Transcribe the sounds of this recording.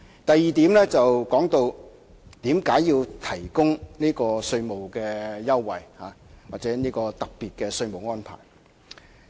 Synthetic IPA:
t̪ɐ˨jːiː˨t̪iː˨˥mlɛː˥t͡sɐ˨wkɔː˨˥ŋt̪o˧w | t̪iː˨˥mkaː˨˥jːiː˧wt̪ʰɐ˨˩jkʊ˥ŋniː˥kɔː˧sɵ˧ɥmo˨wkɛː˧jɐ˥wːɐ˨jhaː˨˦waː˨k̚t͡sɛː˨˥niː˥kɔː˧t̪ɐ˨k̚piː˨t̚kɛː˧sɵ˧ɥmo˨˩wŋɔː˥npʰa̰ː˨˩j

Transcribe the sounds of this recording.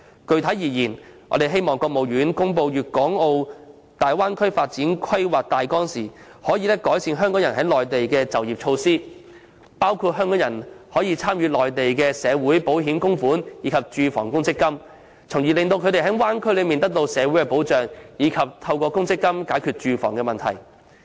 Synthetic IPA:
kɵ˨˧ɥt̪ʰɐ˨˥jiː˨˩jiː˨˩nɔ̰˨˧t̪e˨jɦe˥jmɔː˨˩ŋkɔː˧k̚mo˨wjyː˨˥nkʊ˥ŋpo˧wjyː˨t̚kɔː˨˥ŋo˧w | t̪aː˨jwaː˥nkʰɵ˥ɥfaː˧t̚t͡siː˨˥nkʰɐ˥jwaː˨k̚t̪aː˨jkɔː˥ŋsiː˨˩ | hɔː˨˥jiː˨˧lɛː˥kɔː˨˥jsiː˧nɦœː˥ŋkɔː˨˥ŋjɐ˨˩nɦɐ˨˥jlɔː˨˩jt̪e˨jkɛː˧t͡sɐ˨˩wjiː˨p̚t͡ʃʰo˧wsiː˥ | paː˥wkʰu˧t̚ɦœː˥ŋkɔː˨˥ŋjɐ˨˩nhɔː˨˥jiː˧t͡sʰaː˥mjyː˧lɔː˨jt̪e˨jkɛ˧sɛː˨˧wuː˨˥jpo˨˥wɦiː˨˥mkʊ˥ŋfuː˨˥njiː˨˧˥kʰɐ˨p̚t͡ʃyː˨˧fɔ̰ː˨˩ŋkʊ˥ŋt͡sɪ˥kːɐ˥m | t͡sʰʊ˨˩ŋjiː˨lɪ˨ŋt̪o˧wkʰɵ˨˧t̪e˨˩ɦɐ˨˥waː˥nkʰɵ˥jlɵ˨˧miː˨nt̪ɐ˥k̚t̪o˧wsɛː˨˧wu˨˥jkɛ˧po˨˥wt͡ʃœː˨ŋjiː˨˧kʰɐ˨p̚t̪ʰɐ˧wkɔː˧kʊ˥ŋt͡sɪ˥kːɐ˥mkaː˨˥jkʰy˨t̚t͡ʃyː˨˧fɔ̰ː˨˩ŋkɛ˧mɐ˨nt̪ʰɐ̰˨˩j

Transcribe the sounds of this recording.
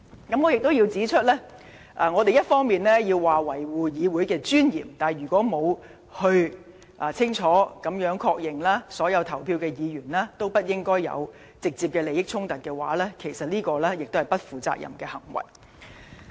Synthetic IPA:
kɐ˨˥mŋɔː˨˧jɪ˨k̚t̪o˥wjiː˧wt͡siː˨˥t͡ʃʰɵ˥t̚lɛː˥ | ʔaː˨˧ŋɔː˨˧t̪e˨jɐ˥t̚fɔː˥ŋmiː˨nlɛː˥ji˧wːaː˨wɐ˨˩jwuː˨jiː˨˧wuː˨˥jkɛː˧t͡ʃyː˥njḭː˨˩mt̪aː˨jjyː˨˩kʷɔː˨˥mo˨˧w | hɵ˧ɥ | ʔaː˨t͡sʰɪ˥ŋt͡ʃʰɔː˨˥kɐ˨˧˥mjœː˨˥ŋkʰɔː˧k̚jɪ˨ŋlaː˥sɔː˨˥jɐ˨˧wt̪ʰɐ˨˩wpʰiː˧wkɛː˧jiː˨˧ɥyː˨˩nlɛː˥t̪o˥wpɐ˥t̚jɪ˥ŋkɔː˥jjɐ̰˨˧w | t͡sɪ˨k̚t͡siː˧p̚kɛː˧le˨˧jɪ˥k̚t͡sʰʊ˥ŋt̪ɐ˨t̚kɛː˧wa̰ː˨˥lɛː˥kʰe˨˩jsɐ˨t̚liː˥kɔː˧lɛː˥jɪ˨k̚t̪o˥hɐ˨jpɐ˥t̚fuː˨t͡sa̰ː˧k̚jɐ̰˨˩mkɛː˧hɐ̰˨˩ŋwɐ̰˨˩j

